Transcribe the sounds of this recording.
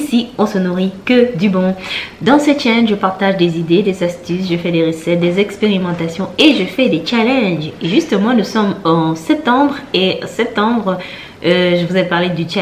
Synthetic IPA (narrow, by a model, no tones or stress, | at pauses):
siɔ̃sənuʁikəd̪ybɔ̃d̪ɑ̃set͡ʃalɛ̃ʒəpaʁt̪aʒd̪ezid̪ed̪ezast̪ysʒəfɛd̪eʁəsɛt̪̚d̪ezɛkspeʁimɑ̃t̪asjɔ̃eʒəfɛd̪et͡ʃalɛ̃ʒeʒyst̪əmɑ̃nusɔmɑ̃sɛp̚t̪ɑ̃bʁesɛp̚t̪ɑ̃bʁ | øʒəvuzɛpaʁled̪yt͡ʃa